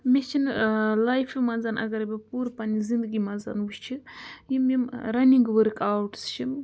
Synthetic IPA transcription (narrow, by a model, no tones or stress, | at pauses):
met͡ʃʰinlajfʰimanzaːnɐ̰ɡɐɾbʲipuːɾpanizind̪əɡimanza̰ːnwuʃt͡ʃʰijimimɾɐniŋɡʋəɾkawʈst͡ʃʰi